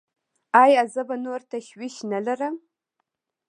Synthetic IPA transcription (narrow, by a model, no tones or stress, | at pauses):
aːjazɐbɐnɨwrtʰɐxɥiʃnɐɮɐrɐm